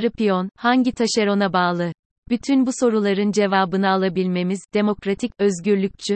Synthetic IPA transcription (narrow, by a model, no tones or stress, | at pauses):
ɾɯpʰijonhaɲɟit̪ʰaʃeɾo̞nabaːlˠɯ | b̥yt̪ʰynbuso̞ɾulˠaɾɯnd͡ʒe̞vaːbɯnaːlˠabilʲme̞mizd̪e̞mo̞kɾat̪ʰicøzɟyɾlʲyc̚t͡ʃʰy